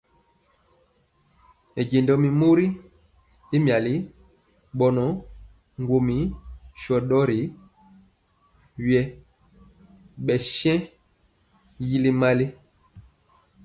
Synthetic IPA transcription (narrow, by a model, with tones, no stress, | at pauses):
e˨ɟe˨ndɔ˨mi˨mo˦ɾi˦ | i˦mja˨li˦ | ɓɔ˨nɔ˨ | ŋɡwo˨mi˨˦ʃɔ˨ɗɔ˦ɾi˨˦ | ɥjɛ˦ | ɓɛ˨ʃɛ̃˦ | ji˦li˦ma˦li˦